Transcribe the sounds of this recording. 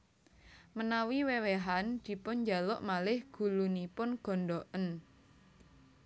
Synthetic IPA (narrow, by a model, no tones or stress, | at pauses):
mənawiweweɦand̪̥i̤pʊnɲd͡ʒa̤lʊʔmalɪhɡ̥ṳlunipʊnɡ̥ɔ̤nɖɔʔən